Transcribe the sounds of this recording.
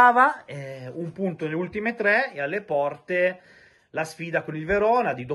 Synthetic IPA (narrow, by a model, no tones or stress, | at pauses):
aːvaɛumpunt̪onelːeult̪imet̪ɾɛːalːepɔrt̪e | lasfiːd̪akonilveɾɔːnad̪id̪o